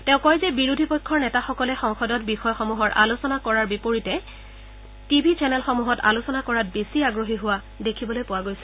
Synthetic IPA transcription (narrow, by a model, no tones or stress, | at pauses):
tɛ̃ʊ̃kɔjzɛbiɹudʱipɔjkʰːɔɹnɛtaxɔkɔlɛxɔŋxɔdɔt̚bixɔjxɔmuɦɔɹʔa̰losɔnakɔɹaɹbipoɹitɛ | tibʱit͡ʃɛnɛlxɔmuɦɔta̰losɔnakɔɹat̚besiaɡɹoɦiɦʊwa | dekʰibɔlojpʊwaɡojsɛ